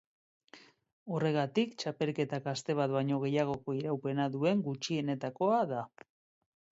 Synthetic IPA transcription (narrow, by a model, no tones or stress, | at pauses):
o̞re̞ɣ̞at̪ikt͡ʃape̞lke̞t̪akast̪e̞β̞at̪βajɲo̞ɣ̞e̞jaɣ̞o̞ko̞iɾawpe̞naðue̞ŋɡut͡ʃie̞ne̞t̪ako̞aða